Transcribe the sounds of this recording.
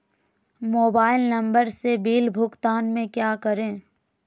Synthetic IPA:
moːbaːɪlnɐ̃mbəɾsebiːlbʱʊkt̪aːnmẽkjaːkəɾẽː

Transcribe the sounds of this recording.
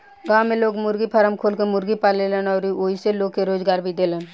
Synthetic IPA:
ɡãːmeloːɡmʊɾɡipʰəɾəmkʰoːlkemʊɾɡipaːlelənɔːɾioːiseloːɡ̚keɾoːd͡ʒɡaːɾbʱid̪eːlən

